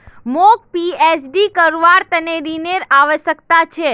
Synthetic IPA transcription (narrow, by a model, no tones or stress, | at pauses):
mok̚piesɖikəɾʋaɾt̪əneɾineɾaʋəʃəkt̪at͡ʃʰe